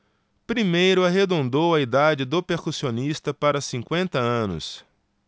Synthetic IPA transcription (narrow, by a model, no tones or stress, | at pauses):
pɾimejɾʊaɦed̪õnd̪owɐid̪ad͡ʒɪd̪ʊpeɾkusionist̪ɐpaɾɐsĩkwẽnt̪ɐɐ̃nʊ̰s